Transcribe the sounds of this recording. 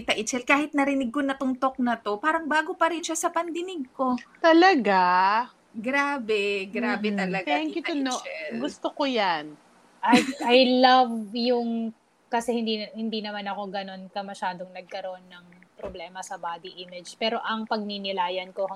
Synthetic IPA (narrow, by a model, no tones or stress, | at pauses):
it̪ɐʔɪt͡ʃɛlkaːhɪt̪nɐɾɪnɪɡ̚konɐt̪ʊŋt̪o̞k̚nɐt̪o̞paːɾɐŋbaːɡo̞pɐɾɪnʃasɐpɐnd̪ɪnɪɡ̚ko̞t̪ɐlɐɡa | ɡɾaːbɛɡɾaːbɛɐlɐɡaɛŋkɪt̪ɐʊnot͡ʃɛllɡʊst̪okojan | ʔɐjɐjlɐvjʊŋ | kɐsɛhɪnd̪ihɪnd̪inɐmanɐko̞ɡɐno̞nkɐmɐʃaːd̪o̞ŋnɐɡ̚kɐɾoʔonːɐŋpɾoblɛːmɐsɐbaːd̪iʔimɪd͡ʒpɛːɾo̞ʔɐŋpɐɡ̚ninɪlaːjɐnkohɐ